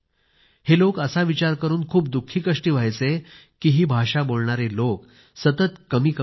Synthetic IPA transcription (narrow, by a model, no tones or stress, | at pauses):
helokəsaʋit͡ɕaɾkəɾuːnkʰuːp̚d̪ukʰːiːkəʂʈiːʋ̤ʱajt͡se | kiːɦiːbʱaʂabolɳaɾelok | sət̪ət̪kəmiːkə